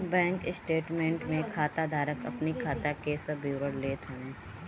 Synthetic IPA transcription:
bɛ̃ːŋksʈeːʈmẽːɳʈmẽkʰaːt̪ad̪ʱaːɾəkɐ̰pnikʰaːt̪akesɐbʱiːɾəɾleːt̪ʰə̃

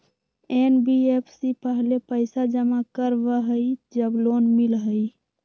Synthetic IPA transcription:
enbiepʰsipəɦlepəɪsad͡ʒəmakəɾbəɦəid͡ʒəblonmilɦəi

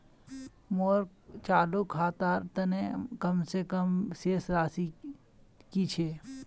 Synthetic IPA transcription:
moːɾkt͡ʃaːlukʰːaːt̪aːɾt̪ɐnekɐmsekəmseːsɾaːsi | kit͡ʃʰeː

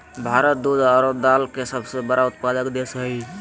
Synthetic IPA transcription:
bʱaɾət̪̚d̪ud̪aɾob̚d̪alkesəbsebəɾaut̪̚pad̪əkd̪esɦəi

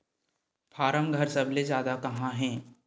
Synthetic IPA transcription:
pʰaːɾəmɡʱəɾsɐblezjaːd̪akɐɦãɦɛ̃ː

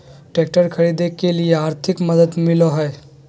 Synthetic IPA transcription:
ʈek̚ʈəɾkʰəɭid̪ekelijeaɾt̪ʰikməd̪əd̪miloɦəj

